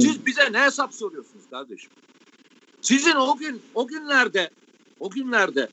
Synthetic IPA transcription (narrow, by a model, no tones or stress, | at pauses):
sizbizɛnɛɦesapso̞ɾujo̞sunuz̥kʰaɾd̪eʃɯ̥m | sizinoɡʲynoɟynlʲæɾd̪ɛ | oɡʲynlʲæɾd̪ɛ